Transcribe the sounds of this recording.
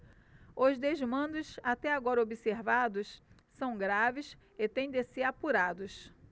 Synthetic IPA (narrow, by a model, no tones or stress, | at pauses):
ʊzd̪eʒmɐ̃d̪ʊsat̪ɛaɡɔɾɐobiseɾvad̪ʊs | sɐ̃w̃ɡɾavɪs | ɪt̪ẽj̃d̪eseapuɾad̪ʊs